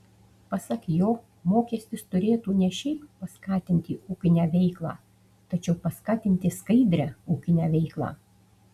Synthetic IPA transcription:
pɐsɐkjoː | moːkʲɛsʲt̪ʲɪst̪ʊɾʲeːt̪uːnʲɛʃʲɛɪppɐskɑːt̪ʲɪnʲt̪ʲɪuːkʲɪnʲæːʋʲɛɪklˠɑ̰ː | t̪ɐt͡ʃʲɛʊpɐskɑːt̪ʲɪnʲt̪ʲɪskɐɪd̪ʲɾʲæːuːkʲɪnʲæːʋʲɛɪklˠɑ̰ː

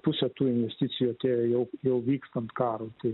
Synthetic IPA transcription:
pʊsʲɛt̪uːɪnʲʋʲɛsʲt̪ʲɪt̪sʲɪjoːt̪ʲeːjɛʊjɛʊʋʲiːkst̪ɐnt̪kɑːɾuːt̪ɐɪ

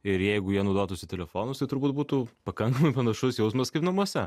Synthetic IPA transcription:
ɪɾjɛɪɡʊjiɛnɐʊd̪oːt̪ʊsʲɪt̪ʲɛlʲɛfoːnʊst̪ɐɪt̪ʊɾbuːt̪̚buːt̪ʊpɐkɐŋkɐmɐɪpɐnɐʃʊsjɛʊsmɐskɐɪpnɐmuɔsʲɛ

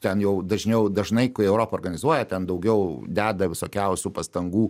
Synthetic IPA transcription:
t̪ʲɛnjɛʊd̪ɐʒʲnʲɛʊd̪ɐʒnɐɪkʊɛʊɾoːpɐoːrɡɐnʲɪzuɔjɛt̪ʲɛnd̪ɐʊɡʲɛʊd̪ʲæːd̪ɐʋʲɪsoːkʲɛʊsʲupɐst̪ɐŋɡuː

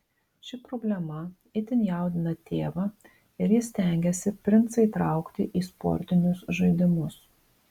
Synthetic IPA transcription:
ʃʲɪpɾɔːbʲlʲɛmɐ | ɪt̪ʲɪnʲjɛˑʊd̪ʲɪnɐt̪ʲeːʋɐ | ɪɾjɪsʲt̪ʲɛˑŋʲɡʲɛsʲɪpʲɾʲɪnt̪sɐɪt̪ɾɑˑʊkt̪ʲɪʔiːspɔ̰ɾʲt̪ʲɪnʲʊsʒɐɪd̪ʲɪmʊs

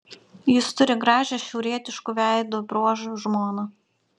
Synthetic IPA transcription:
jɪst̪ʊɾʲɪɡɾɑːʒʲɛʃʲɛʊɾʲiɛt̪ʲɪʃkuʋʲæˑɪd̪uːbɾuɔʒʊʒmoːnu

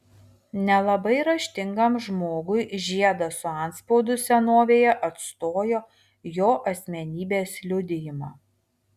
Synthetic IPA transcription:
nʲɛlˠɐbɐɪɾɐʃʲt̪ʲɪŋɡɐmʒmoːɡʊɪʒʲiɛd̪ɐsʊɑˑnt̪spoːd̪ʊsʲɛnoːʋʲeːjɛʔɐt̪st̪oːjoː | joːʔɐsʲmʲɛnʲiːbʲeːslʲʊd̪ʲɪjɪmɑː

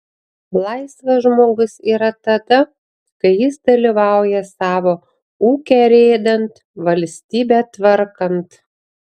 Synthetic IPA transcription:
lˠɐɪsʋɐʒmoːɡʊsiːɾɐt̪ɐd̪ɐ | kɐɪjɪsd̪ɐlʲiʋɑˑʊjɛsɑːʋoː | uːkʲɛɾʲeːd̪ɐnt̪ | ʋɐlʲsʲt̪ʲiːbʲæt̪ʋɐɾkɐnt̪

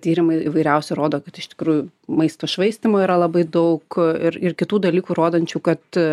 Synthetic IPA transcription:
t̪ʲiːɾʲɪmɐɪɪʋɐɪɾʲɛʊsʲɛɾoːd̪oːkɐt̪ɪʃt̪ʲɪ̥kɾuːju | mɐɪst̪oːʃʋɐɪsʲt̪ʲimoːiːɾɐlˠɐbɐɪd̪ɐʊkɪɾɪrkʲɪt̪uːd̪ɐlʲiːkuːɾoːd̪ɐnʲt͡ʃʲuːkɐt̪

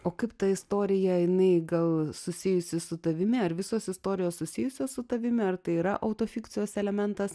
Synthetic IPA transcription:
oːkɐɪpt̪ɐɪst̪oːɾʲɪjɛjɪnɐɪɡɐlˠsʊsʲɪjʊsʲɪsʊt̪ɐʋʲɪmʲɪɐɾʋʲɪsoːsɪst̪oːɾʲɪjoːssʊsʲɪjʊsʲoːssʊt̪ɐʋʲɪmʲɪɐrt̪ɐɪiːɾɐʔɐʊt̪oːfʲiːkt̪sʲɪjoːsɛlʲɛmʲɛnt̪ɐs

